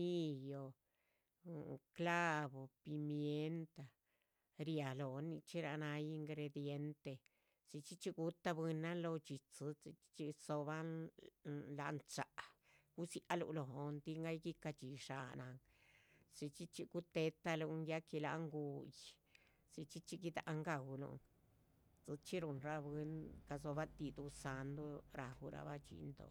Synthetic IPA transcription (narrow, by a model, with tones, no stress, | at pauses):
i˦jo˨ | kla˦bo˨pi˧mje˧nt̪a˧ | ɾja˨lo˨ni˧t͡ʃi˦ɾa˧na˧ji˧ŋɡɾe˧d̪je˧˦nt̪e˧ | si˧t͡ʃi˦t͡ʃi˧ɡu˧t̪a˧bɨ˧na˦nlo˧t͡ʃi˨t͡sɨ˧t͡si˧t͡ʃi̥˦t͡ʃi˧so˧ba˦ | la̰˧ʔnt͡ʃa̰˨ʔ | ɡ̥u˦si˧ʔa˧lṵ˧ʔlo˨o˧nt̪i˦˧ŋɡa˦jɡi˦ka˧t͡ʃi˧ʂa˧na˧ŋ | t͡si˧t͡ʃi˦t͡ʃi˧ɡu˦t̪e˧t̪a˧lu˧ŋja˦ki˧la̰˧ŋɡu˧j | si˧t͡ʃi˦t͡ʃi˧ɡi˧d̪a̰˨ʔŋɡa˧wlṵ˧ŋ | t͡sɨ˧t͡ʃi˦ɾu˧nɾa˧bi˧nka˧so˧ba˦t̪i˧d̪u˧sa˧nd̪o˦ɾa˨hu˧ɾa̰˧ba˦t͡ʃḭ˧nd̪o̰˨